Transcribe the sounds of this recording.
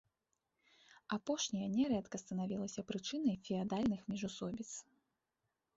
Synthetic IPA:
apɔʂnʲɐjɐnʲɛɾɛt̪kɐst̪ɐnavʲilˠɐsʲɐpɾɨt͡ʂɨn̪ɐjfʲiad̪alʲnɨxmʲiʐusɔbʲit̪s

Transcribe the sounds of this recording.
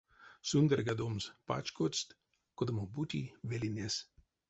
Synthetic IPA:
sund̪ʲɛɾɡad̪omspa̰t͡ʃkost̪ | kod̪ɐmobut̪ʲḭʋʲelʲinʲes

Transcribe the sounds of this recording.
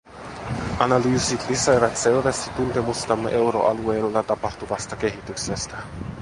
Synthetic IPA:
ʔɑnɑlyːsit̪lisejʋɑt̪se̞lʋæst̪it̪ːunt̪e̞must̪ɑmːeʔe̞wɾo̞̰ʔɑlue̞ːlːɑt̪ɑpɑht̪uʋɑst̪ɑke̞ɦit̪yksest̪æ

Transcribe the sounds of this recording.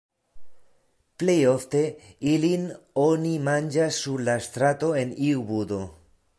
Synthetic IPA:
plejo̞ft̪e̞ilinonimand͡ʒasːuɾlast̪ɾat̪o̞e̞niubud̪o̞

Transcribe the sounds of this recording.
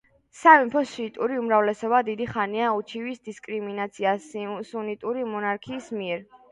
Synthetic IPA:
savimpʰɔsit̪ʼuɾiumɾavlɛsɔbad̪id̪iχaniaut͡ʃʰivisd̪iskʼɾiminat̪sʰiassunit̪ʼuɾimɔnaɾkʰiːsmiɛɾ

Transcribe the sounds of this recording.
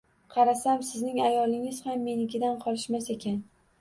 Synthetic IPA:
qʰɑɾasamsɪznɪŋajɒlˠɪŋɪz̥hamːe̞nɪɡʲɪd̪anqʰɒlˠɪʃmase̞kʲʰan

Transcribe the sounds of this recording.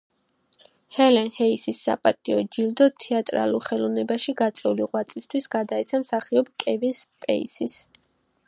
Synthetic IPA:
hɛlɛnhɛisisːa̰pʼat̪ʼiɔd͡ʒild̪ɔt̪ʰɛat̪ʼɾa̰lˠuɾχɛlɔvnɛbaʃiɡat̪sʼɛuliʁwat̪sʼist̪ʰwisɡ̥ad̪aɛt̪sʰamsaχiɔbkʼɛvinspʼɛ̰ḭsis

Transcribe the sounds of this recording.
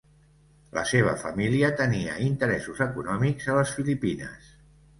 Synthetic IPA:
lə̰seβ̞ə̰fəmiliət̪əniə̰int̪əɾɛsuzəkunɔmikzələsfilipinə̰s

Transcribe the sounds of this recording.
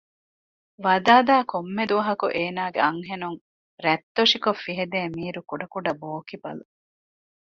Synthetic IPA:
ʋɐd̪aːd̪aːkomːed̪uʋɐɦɐkṵʔeːnaːɡḛɐŋɦenuŋ | ɾɛt̪ːoʂikofːiɦed̪eːmiːɾukuɖɐkuɖɐboːkibɐ̰lu

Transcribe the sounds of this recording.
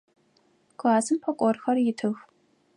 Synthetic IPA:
ɡʷaːzɨmpʰɐkʷʼɔrxɐrjɪtʰɨx

